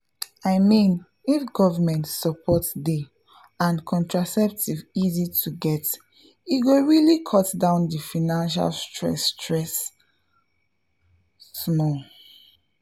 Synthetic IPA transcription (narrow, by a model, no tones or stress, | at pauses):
aɪmĩn | ifɡɔvamɛ̃ntsɔpʰɔtde | ãnkʰɔ̃ntɹasɛp̚tʰivizitʰuɡɛt | iɡoɹilikʰɔtdãʊ̃ndifanãnʃa̰lstɹɛ̰stʰɹɛs | smɔ